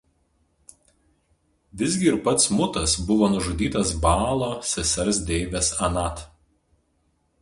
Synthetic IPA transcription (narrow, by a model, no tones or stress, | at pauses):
ʋʲɪzʲɡʲɪɪɾpɐt̪smʊt̪ɐsbʊʋoːnʊʒʊd̪ʲiːt̪ɐsbɑːlˠoːsʲɛsʲɛɾsd̪ʲɛɪʋʲɛsɐnɑˑt̪